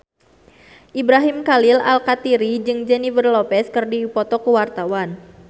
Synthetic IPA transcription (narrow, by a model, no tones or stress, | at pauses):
ʔibɾaɦimkalila̰lkat̪iɾid͡ʒɨŋd͡ʒɛnivərlɔpɛskɨrdipɔt̪ɔkuwart̪awan